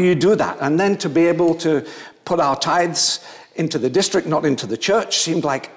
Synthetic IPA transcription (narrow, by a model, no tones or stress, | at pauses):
jɨdəðə̰tə̃nðɨ̃ntʰɨbieɪbl̩ˠtʰɨpʰʊɾaʊə˞tʰaɪdz̥ | ɪ̃ntʉðɨdɪstɹ̥ɨk̚tⁿnəɾɪ̃ntʰʉðɨt͡ʃʰɜ˞t͡ʃsĩmdˡlaɪk